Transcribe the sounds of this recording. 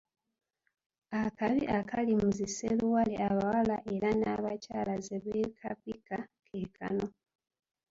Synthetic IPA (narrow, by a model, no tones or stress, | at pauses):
akaβiʔakʰalimuziseluwalḛʔaβawalaʔe̞ɾanaβacaːlazeβekʰapikakʰeːkʰa̰no̞